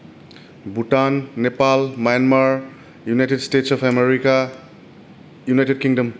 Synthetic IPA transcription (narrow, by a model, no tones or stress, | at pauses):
butanːepalmajanmaɾ | junajtedstetsɔpʰemeɾika | junajted̚kiŋdɐm